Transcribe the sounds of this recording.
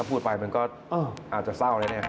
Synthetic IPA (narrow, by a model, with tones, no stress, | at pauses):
aː˥˩pʰuː˥˩pa˧jma˧nkɔː˥˩ | ʔɤː˧˩ʔaː˨˩t̪̚t͡ɕa˨˩sa˥˩wlaː˧˦˥ni˥˩ɐ